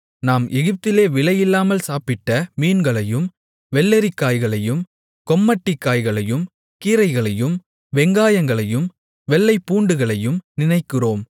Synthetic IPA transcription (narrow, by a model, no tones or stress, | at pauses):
naːmʔɛɣɪp̚t̪ɪleːʋɪɭɐjɪlːaːmɐlsaːpɪʈːɐmiːnɡɐɭɐjɯm | ʋɛlːɛɾɪkːaːjɣɐɭɐjɯm | kɔmːɐʈːɪkːaːjɣɐɭɐjɯm | kiːɾɐɪɣɐɭɐjɯm | ʋɛŋɡaːjɐŋɡɐɭɐjɯm | ʋɛlːɐɪpːuːɳɖɯɣɐɭɐjɯmnɪnɐɪkːɪroːm